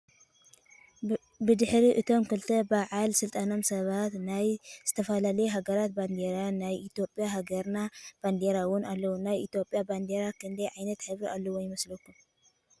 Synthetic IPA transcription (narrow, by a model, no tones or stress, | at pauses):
bɨd̪ɨħɾiʔɨt̪ʰo̞mkɨlt̪ʰɐbaʕalsɨlt̪ʼano̞msɐβat̪najz̥ɨt̪ʰɐfɐlalɐjeɦaɡɐɾat̪̚band̪eɾanajʔit̪ʰjo̞pʼjaɦaɡɐɾnab̥and̪eɾawʊnalːɐwunajit̪jo̞pʼjaband̪eɾakʰɨnd̪ɐjʕajnɐt̪ħɨβɾialːɐwojɪmɐslokːum